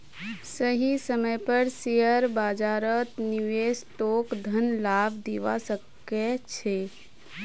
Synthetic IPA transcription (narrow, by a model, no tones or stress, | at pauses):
səɦisəməjpəɾsijəɾbaːd͡ʒaːɾət̪niʋesʈ̪oːkd̪ʱənlaːbʱd̪iʋa̰səkː | ɛt͡ʃʰe